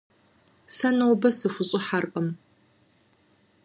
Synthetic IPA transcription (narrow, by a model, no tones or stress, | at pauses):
sɐnɐwbɐsɨfʷʊɕʼɪħarqʼəm